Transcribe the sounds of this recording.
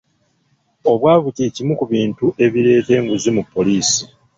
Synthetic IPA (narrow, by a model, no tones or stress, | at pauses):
o̞βwaːβuceːcimukuβiːntuʔe̞βiɾe̞ːte̞ːŋɡuzimupːo̞liːsi